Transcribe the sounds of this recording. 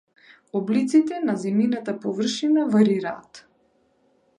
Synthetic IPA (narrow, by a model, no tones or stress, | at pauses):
ɔblit̪sit̪ɛnazɛminat̪apɔvər̩ʃinavaɾiɾa̰ːt̪